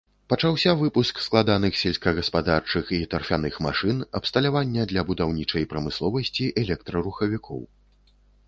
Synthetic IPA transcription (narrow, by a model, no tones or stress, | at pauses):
pɐt͡ʂawsʲɐvɨpusksklˠad̪anɨxsʲɛlʲsʲkɐɣɐspad̪art͡ʂɨxit̪ɐrfʲanɨxma̰ʂɨnɐpst̪ɐlʲavanʲːɐd̪lʲɐbud̪awnʲit͡ʂɐjpɾɐmɨslˠɔvɐsʲt͡sʲiʔɛlʲɛk̚t̪ɾɐɾuxɐvʲikʰɔ̰w